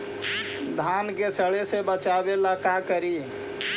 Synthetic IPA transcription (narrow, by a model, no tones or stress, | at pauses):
d̪ʱankesəɭesebət͡ʃabelakakəɾi